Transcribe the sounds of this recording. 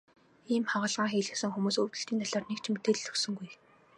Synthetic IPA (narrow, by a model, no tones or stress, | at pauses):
iːmχɔʁə̆ɮʁaːŋxiːɮɘ̆sɘ̆ŋxumuːsɵwt̪ɵ̆ɬt̪iːnt̪ʰɔɮɔːrnekt͡ɕʰmet̪eːɮɵ̥ksɵ̆ŋɡuj